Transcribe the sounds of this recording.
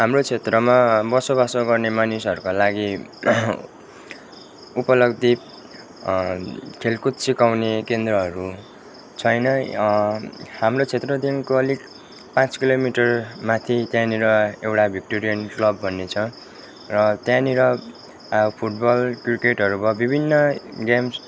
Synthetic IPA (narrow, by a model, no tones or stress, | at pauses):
ɦamrot͡sʰet̪rʌmabʌsobasoɡʌrnemanisɦʌɾukolaɡi | upʌlʌɡd̪i | kʰelkut̪sikawnekend̪rʌɦʌɾu | t͡sʰʌjnʌ | hamrot͡sʰet̪rʌd̪inkoʌlik | pãt͡skilomiʈʌrmat̪ʰit̪jãniɾʌewʈabʱik̚ʈoɾijʌnklʌbːʱʌnːet͡sʰʌ̃ | rʌt̪jãniɾʌ | pʰuʈbʌlkrikeʈɦʌɾubʌbibʱinːʌɡams